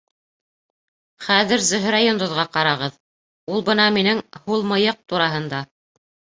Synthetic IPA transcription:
χæðɘɾzɵ̆ɦɵɾajond̪ŏðʁɑqɑɾɑʁɤð | ulˠbɤnɑminɘŋhulˠmɤ̆jɤq̚t̪uɾɑɦɤ̆nd̪ɑ

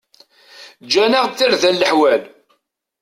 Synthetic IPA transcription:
d͡ʒænaʁθiɾðælːəħwæl

